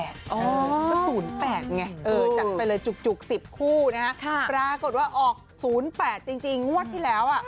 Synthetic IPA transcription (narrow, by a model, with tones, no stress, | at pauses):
ɛ˨˩t̪̚ʔɔː˩˦ɔ˥suː˩˦npɛː˨˩t̪̚ŋɛ˧ʔɤɤː˨˧˩t͡ɕa˨˩pa˧jlɤː˧jt͡ɕu˨˩k̚t͡ɕu˨˩k̚si˨˩p̚kʰuː˥˩na˦˥ha˦˥kʰa˥˩pɾaː˧ko˨˩t̪̚waː˥˩ʔɔː˨˩k̚suː˩˦npɛː˨˩t̪̚t͡ɕi˧ŋt͡ɕi˧ŋːu˥˩ət̪ʰːiː˥˩lɛː˦˥wʔa˨˩ʔ